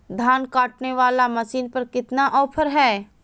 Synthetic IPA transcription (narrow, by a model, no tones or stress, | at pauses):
d̪ʱaːnkaːʈneʋaːlamɐsiːnpɐɾkɪt̪naʔɔːpʰəɾɦɛː